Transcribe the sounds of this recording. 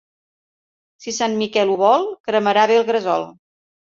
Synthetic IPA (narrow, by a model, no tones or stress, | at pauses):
sisanmikɛluβɔlˠkɾəməɾaβeəlˠɣɾəzɔlˠ